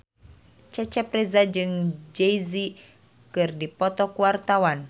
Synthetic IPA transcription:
t͡ʃɛt͡ʃɛprɛzad͡ʒɨŋd͡ʒɛjzi | kɨrdipɔt̪ɔkuwart̪awan

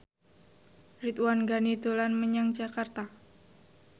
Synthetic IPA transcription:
rit̪wanɡanid̪olanməɲaŋd͡ʒakart̪a

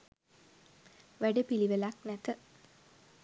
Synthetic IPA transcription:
ʋæɖepiliʋelaknæt̪ə

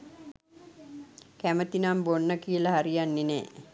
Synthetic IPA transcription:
kæmət̪inambonːəkiəlaɦaɾijanːinḛː

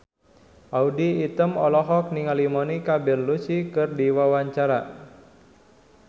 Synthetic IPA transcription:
ʔaudiːt̪əmɔlɔɦɔk̚niŋalimɔnikabɛnlusikɨrdiwawaɲt͡ʃaɾa̰

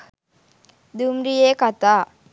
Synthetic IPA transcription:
d̪umɾijeːkat̪aː

